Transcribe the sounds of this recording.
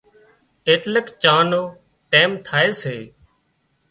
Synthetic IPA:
eːt̪ləkt͡ʃaːnoː | ʈeːmt̪ʰaːeːseː

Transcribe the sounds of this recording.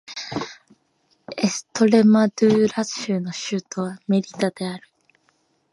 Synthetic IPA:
esɨ̥t̪o̞ɾe̞mad̪ɯːɾasɕɨːno̞ɕɨːt̪ʰo̞β̞ame̞ɾʲit̪ad̪̥e̞aɾɯ̟

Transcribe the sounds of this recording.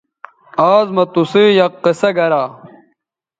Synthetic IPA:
aːzmɐt̪usiːjɐqːisɐɡɐɾaː

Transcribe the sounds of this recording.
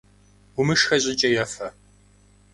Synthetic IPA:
ʊmɨʂxɐɕʼɪt͡ʃʼɐjɛfɐ

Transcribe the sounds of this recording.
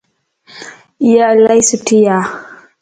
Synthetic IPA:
jalajsutija

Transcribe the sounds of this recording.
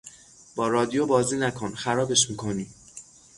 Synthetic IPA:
b̥ɒːɾɒːd̪ijobɒːziːnækʰo̞nxæɾɒːbe̞ʃmiːkʰo̞niː

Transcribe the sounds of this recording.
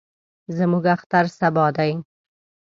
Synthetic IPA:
zəmuɡaxt̪aɾsabɑd̪aj

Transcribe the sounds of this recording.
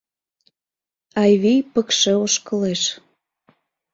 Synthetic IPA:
ɑjβijpəkʃĕoʃkə̆leʃ

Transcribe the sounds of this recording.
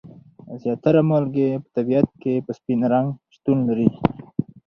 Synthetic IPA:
zjɑt̪aɾamolɡepə̥t̪abijat̪̚kepəspinɾaŋɡʃt̪unlaɾi

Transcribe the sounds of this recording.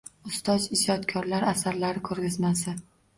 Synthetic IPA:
ʊst̪ɒzɪzɒt̪kʲʰɒɾlaɾasaɾlaɾɪkʰɵɾɡʲɪzmasɪ

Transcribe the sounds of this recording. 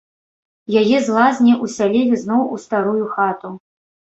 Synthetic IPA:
jajɛzlˠazʲnʲiʔusʲalʲɛlʲiznɔwust̪aɾujuxat̪u

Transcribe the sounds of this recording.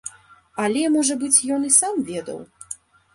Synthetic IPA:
ɐlʲɛmɔʐɐbɨt͡sʲjɔnisamvʲɛd̪ɐ̰w

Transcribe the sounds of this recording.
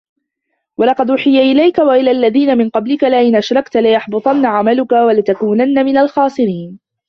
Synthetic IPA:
walɑqɑd̪ʔʊħɪjaʔɪlajkawaʔɪlaːʔlːaðiːnamɪnqɑblɪkalaʔɪnʔaʃɾˤɑkt̪alɪjɑħbɑt̪ˤɑnːaʕamalʊkawalɪt̪akuːnanːamɪnalxɑːsˤɨɾiːn

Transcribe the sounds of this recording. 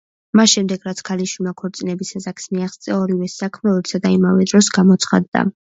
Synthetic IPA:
masʃɛmd̪ɛɡ̥ɾat̪sʰkʰaliʃwilˠmakʰɔɾt̪sʼinɛbisazakʰsmiaχst̪sʼɛɔɾivɛsakʰmɛɔɛtsad̪aimavɛd̪ɾɔsɡamɔt̪sʰχa̰d̪ːa̰

